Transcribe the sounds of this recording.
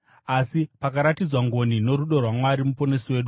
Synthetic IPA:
asipakaɾatid͡zwaŋɡo̞nino̞ɾuɗo̞rwamwaɾimupo̞ne̞siwe̞ːɗu

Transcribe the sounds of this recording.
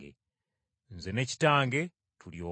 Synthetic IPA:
ḛ | nzene̞ci̥taːŋɡe̞ | tuljoː

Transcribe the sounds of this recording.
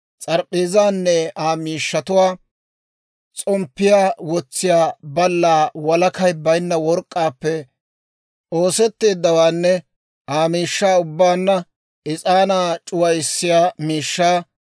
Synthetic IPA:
t͡sʼɐɾpʼːeːzaːnːɛaːmiːʃːɐt̪ʊwaː | t͡sʼɔmpːɪjaːwɔt͡sːɪjaːbɐlːaːwɐlɐkɐjbɐjnːɐwɔɾkʼːaːpːɛ | oːsɛt̪ːe̞ːd̪ːɐwaːnːɛ | ʔaːmiːʃːaːʊbːaːnːɐ | ɪt͡sʼaːnaːt͡ʃʼʊwɐjɪsːɪjaːmiːʃːaː

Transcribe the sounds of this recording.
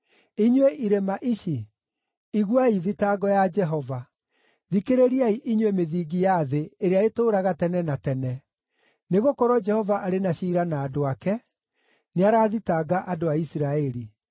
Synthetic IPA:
iɲweʔiɾemaʔiʃi | iɣwaiðitaɡɔjad͡ʒɛɦɔva | ðikeɾeɾiaiʔiɲwemeðiːɡijaðeeɾeaetoːɾaɣatɛnɛnatɛnɛ | neɣokɔɾɔd͡ʒɛhɔvaʔaɾenaʃiːɾanaːdoakɛ | neaɾaːðitaɡaʔadoaisiɾaɛɾi

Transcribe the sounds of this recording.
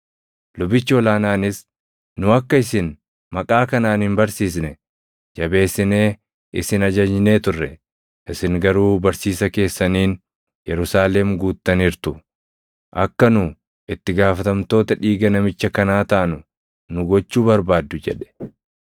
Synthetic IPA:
lʊbɪt͡ʃːɪɔlaːnaːnɪs | nʊɐkːɐɪsɪn | mɐkʼaːkɐnaːnhɪnbɐɾsiːs̬nɛ | d͡ʒɐbe̞ːsːɪneː | ʔɪsɪnɐd͡ʒɐɲɪne̞ːt̪ʊrːɛ | ʔɪsɪŋɡɐɾuːbɐɾsiːsɐke̞ːsːɐniːn | jɛɾʊsaːlɛmɡuːt̪ːɐnɪɾt̪ʊ | ʔɐkːɐnʊ | ʔɪt̪ːɪɡaːfɐt̪ɐmt̪o̞ːt̪ɐᶑiːɡɐnɐmɪt͡ʃːɐkɐnaːt̪ɐaʔɐnʊ | nʊɡɔt͡ʃːuːbɐɾbaːd̪ːʊd͡ʒɛᶑɛ̥

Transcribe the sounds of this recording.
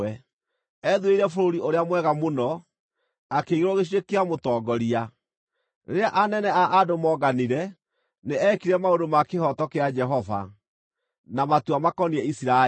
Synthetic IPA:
ɛ | ɛðueiɾɛfoɾoɾioɾeamwɛɣamonɔ | akeiɣeɾɔɣeɕ̬iɾekeamotɔːɡɔɾia | neɾeaʔanɛnɛaʔadomɔɡaniɾɛ | neɛkiɾɛmaodomakehɔtɔkead͡ʒɛɦɔva̰ | namatuamakɔniɛisiɾa

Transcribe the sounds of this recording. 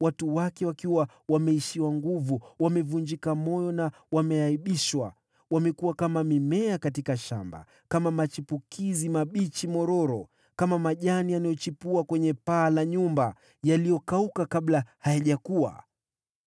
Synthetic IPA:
watuwakɛwakiwa | wamɛiʃiwaŋɡuvuwamɛvuɲd͡ʒikamɔjɔna | wamɛaiɓiʃwa̰ | wamɛkuwakamamimɛakatikaʃa̰mba̰ | kamamat͡ʃipukʰizimaɓit͡ʃimɔɾɔɾɔ | kamamaʄanijanajɔt͡ʃipuakwɛɲɛpaːlaɲumba | jalijɔkaukakaɓlahajaʄakua̰

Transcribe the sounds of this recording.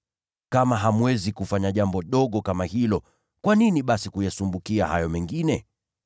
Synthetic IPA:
kamaɦamwɛzikufaɲaʄambɔɗɔɠɔkamahilɔ | kwaniniɓasikujasumbukia̰ha̰jɔmɛŋɡinɛ

